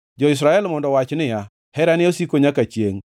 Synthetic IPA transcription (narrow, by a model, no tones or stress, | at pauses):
d͡ʒɔis̬ɾaɛlmɔndɔwat͡ʃnɪja | hɛɾanɪosikoɲakat͡ʃjeŋ